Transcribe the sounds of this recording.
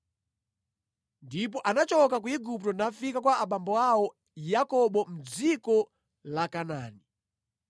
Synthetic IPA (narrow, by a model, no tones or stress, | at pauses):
ndip̬ɔʔanat͡ʃɔkak̬uiɡup̚tɔnafikakwaːɓambɔawɔ | jakɔɓɔm̩d͡zikɔ | lakana̰ːni